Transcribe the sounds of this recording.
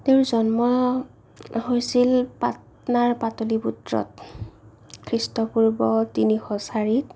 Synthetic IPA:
tewzɔnmɔ | ɦojsilpa̰t | naɹpatoliputɹɔ̰t | kʰɹistɔpuɹbɔtinixɔsaɹit

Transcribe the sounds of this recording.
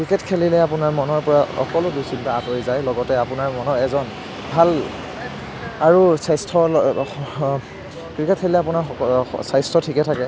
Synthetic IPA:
kɹiketkʰelilɛapunaɹmɔnɔɹpɔɹaɔ̰kɔlʊdusintaatoɹizajlɔɡɔtɛapunaɹmɔnɔɹɛzɔn | bʱal | aɹusajstʰɔ | kɹiket̚kʰelilɛapunaɹsajstɔtʰikɛtʰakɛ

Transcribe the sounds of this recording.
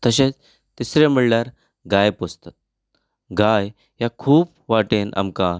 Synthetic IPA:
t̪əɕet͡s | t̪isɾem̤iɭljaɾ | ɡajpost̪at̪̚ | ɡaj | jakʰuːp̚ | ʋaʈenʔa̰mka

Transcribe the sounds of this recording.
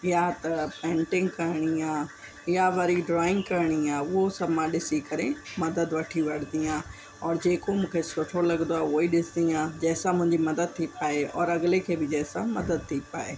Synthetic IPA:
ɪjat̪ɐpɛ̃ːɳʈɪ̃ŋɡkɐɾɪɽ̃iãː | ɪjaʋɐɾiɖɾɔːɪ̃ŋɡkɐɾɽ̃iaːʊɦosɐbʱmãɗɪsikɐɾemɐd̪əd̪ʋɐʈʰiʋɐɽ̤nd̪ijãː | ɔːɾd͡ʑeːkomũːkʰesʊʈʰolɐɡnd̪oaːʊiɗɪsɪd̪ijãːd͡ʑɛːsãmʊ̃ɪ̃ɲd͡ʑimɐd̪əd̪̚t̪ʰipaːeɔːɾɐɡlekʰeːbɪd͡ʑɛːsãmɐd̪əd̪̚t̪ʰipaːeː

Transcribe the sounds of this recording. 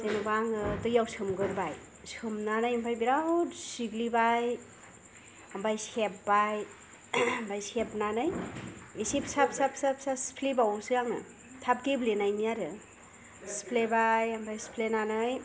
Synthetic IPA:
zenubaŋɯtɯjawsɯmɡɯɾbaj | sɯmnanajmpʰajbiɾawtsiɡlibaj | ambajsep̚baj | mbajsepnanɯjisipsapsapsap̚saspʰlibawsɯjaŋɯ̰ | tʰap̚ɡiblenajniaɾɯ | spʰlebajambajspʰlenanɯj

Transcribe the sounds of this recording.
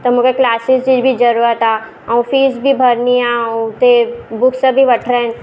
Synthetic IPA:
t̪ɐmukeklaːsɪsd͡ʒibʱid͡ʒɐɾuːɾət̪aː | ɔ̃ːfiːsbʱibʱɐɾniat̪ebʊkʰsəbʱiʋɐʈʰɾẽn

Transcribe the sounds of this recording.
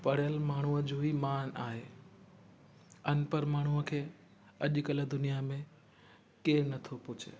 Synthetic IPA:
pɐɽ̤jəlmaːɳ̤uəd͡ʑoɦimaːnaːɦeː | ɐnpəɾmaːɳ̤uəkʰeː | ɐʄkɐləd̪ʊnijamẽ | keːnɐt̪ʰopʊt͡ɕʰḛ

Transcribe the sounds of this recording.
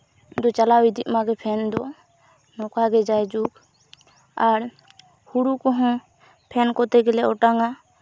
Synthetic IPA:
d̪ɔt͡ʃalawid̪ʱimaɡɛpʰɛnd̪ɔ | nɔkaɡɛd͡ʒajd͡ʒuk | aɾ | huɽukɔɦɔ̃ | pʰɛnkɔt̪ɛɡɛlɛɔʈaŋa

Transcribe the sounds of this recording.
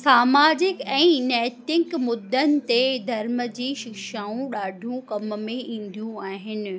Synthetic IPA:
saːmaːd͡ʑɪkɛ̃ːnɛːt̪ɪkmʊd̪ʱːənɪ̆t̪ed̪ʱɐɾməd͡ʑiːʃɪkʃaːũɗaːɖʱũkɐmmẽʔĩːn̆d̪ijũaːɦɪnɪ̆

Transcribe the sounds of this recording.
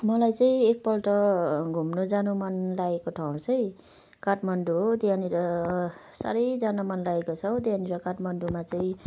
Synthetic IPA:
mʌlajt͡saĩek̚pʌlʈʌɡʱumnod͡zanomʌnlaekoʈʰaw̃t͡sʰʌĩ | kaʈmʌnɖuɦod̪iɦaniɾʌ | sa̰ɾʌjd͡zanamʌnlaekot͡sʰʌwd̪eɦaniɾʌkaʈmʌnɖumat͡saĩ

